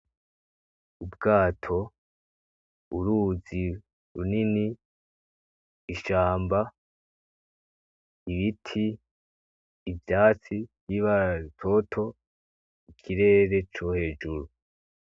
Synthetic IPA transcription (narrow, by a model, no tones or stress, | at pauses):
ubɡaːtʰo̞ | ṵɾuːzi | ɾunini | ʃaːmba | iβitʰi | vjaːt͡sibjiβatʰo̞tʰo̞ | ikʰiɾe̞ːɾe̞t͡ʃohe̞ːd͡ʒuɾu